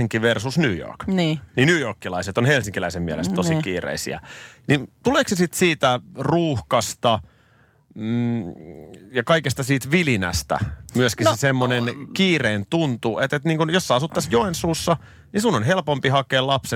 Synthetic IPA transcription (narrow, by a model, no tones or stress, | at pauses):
iŋkːiʋersusnyːjo̰rknːninyːjorkːilɑiset̪onhelsiŋkilæisemmiælḛstt̪ːosikiːrḛisḭæ̰nint̪uleːksesit̪siːt̪æruːhkɑst̪ɑ | jɑkɑikest̪ɑsiːt̪ʋilinæ̰st̪æ̰myøskisesemːonenkiːreːnt̪unt̪uʔet̪et̪niːŋkunjosːɑɑsut̪ːɑsjoensuːsːɑ | nisunonɦelpompihɑkeːlɑpse